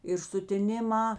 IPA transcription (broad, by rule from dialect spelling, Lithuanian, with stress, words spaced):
ɪr sʊtʲɪˈnʲɪˌmɑː